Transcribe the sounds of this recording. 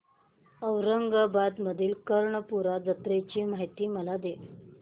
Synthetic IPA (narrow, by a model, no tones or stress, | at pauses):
əwɾəŋɡəbad̪məd̪ʱiːlkəɾɳəpuɾad͡zət̪ɾet͡ɕiːmaɦit̪iːməlad̪e